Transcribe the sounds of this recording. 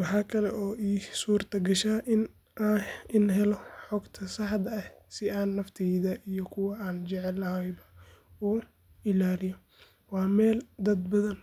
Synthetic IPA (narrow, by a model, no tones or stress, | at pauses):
wɑħɑːkʰɐlɛʔɔːʔiːsuːrt̪ʰɐɡɐʃaːʔɪn | ɪnɦɛlɔħɔɡt̪ʰɐsɑħd̪ɐɐh | sɪaːnːɐft̪ʰɛðɐʔijɔkʰʊwɑaːnt͡ʃɛʕɛlːɐhɐjbɐ | uː | ɪlaːɾɪjɔ | wɑːmɛːld̪ɐd̪bɐðɐn